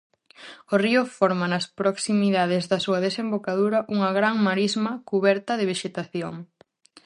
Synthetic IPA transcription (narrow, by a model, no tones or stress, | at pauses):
oriʊfɔɾmɐnɐspɾoksimiðaðɪzðɐsuɐðesembokaðuɾɐʔuŋɐɣɾaŋmaɾizmɐkuβɛɾt̪ɐðɪβ̞iʃet̪aθjoŋ